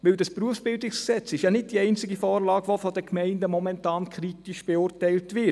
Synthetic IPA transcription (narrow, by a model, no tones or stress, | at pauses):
ʋɪldɑspruəfsb̥ɪldɪksksɛt͡sɪʃjɑnɪt̚d̥iɛɪnt͡sɪɡifɔːɾlɑːɡ̥ʋofɔdəkmɛɪndəmɔmɛntɑːnkʰɾitiʃb̥eʊːrtɛɪltʋɪ